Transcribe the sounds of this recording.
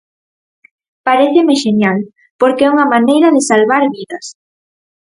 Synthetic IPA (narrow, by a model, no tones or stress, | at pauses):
paɾeθemeʃenjal | poɾkeɛuŋamanejɾɐðɪsalβaɾβiðɐs